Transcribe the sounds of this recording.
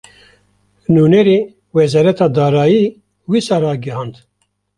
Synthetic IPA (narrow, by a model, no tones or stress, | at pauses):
nuːnɛɾeː | wɛzɑːɾɛt̪ʰɑːd̪ɑːɾɑːjiː | wiːsɑːɾɑːɡɛhɑːnd̪